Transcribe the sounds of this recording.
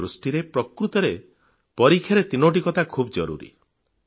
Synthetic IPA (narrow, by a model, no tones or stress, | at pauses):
ɾusʈiɾepɾɔkɾut̪ɔɾe | pɔɾikʰjaɾet̪inoʈ̬ikɔt̪akʰubɔd͡ʒɔɾṵɾḭ